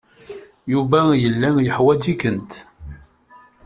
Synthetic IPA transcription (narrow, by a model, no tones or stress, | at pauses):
juvæjəlːæjəħwæd͡ʒikənt̪